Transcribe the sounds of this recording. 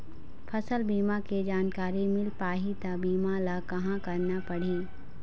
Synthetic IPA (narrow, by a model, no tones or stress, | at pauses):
fʰɐsəlbiːmaked͡ʒaːnkaːɾimɪlpaːɦit̪abiːmãlakɐɦãkɐɾnapɐɽ̤iː